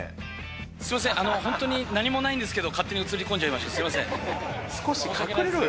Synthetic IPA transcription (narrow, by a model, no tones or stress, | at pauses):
sɨ̥ɾimas̬ẽʔano̞hõnt̪oɲ̟inaɲ̟imo̞naĩnd̪e̞sɨ̥ke̞d̪o̞kat̪ːe̞ɲ̟iɯ̟t͡sɨɾʲikõɲd͡ʑaimaɕt̪osɨɾimasẽsɨ̥koɕikakeɯɾeɾo